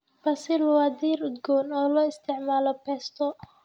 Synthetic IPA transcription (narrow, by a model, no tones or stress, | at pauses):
bɐsɪlɐwaːd̪iːɾʊd̪ɡɔːnɔːlɔːɪst̪ʰɪʕmaːlɔpɛːst̪ʰɔ